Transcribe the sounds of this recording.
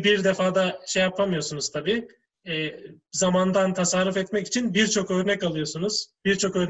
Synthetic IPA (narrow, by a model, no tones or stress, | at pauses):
biɾd̪efaːd̪aʃejːapʰamɯjo̞sunuz̥t̪ʰabiː | ɛːzamand̪ant̪ʰasaɾufɛt̪mɛci̥t͡ʃʰinbiɾt͡ʃʰo̞kø̞ːɾnɛcalˠɯjo̞sunuz̥biɾt͡ʃʰo̞kø̞ːɾ